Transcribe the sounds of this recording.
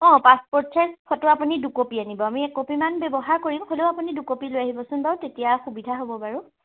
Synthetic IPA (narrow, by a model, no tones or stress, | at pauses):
ɔ̃paspɔɹsʰaspʰɔtʊapunidukopianibɔamiɛkopimanbɛbɔɦaɹkoɹimholeʊapunidukopilojaɦibɔsʊ̃nbawtetijaxubidʱaɦobɔbaɹu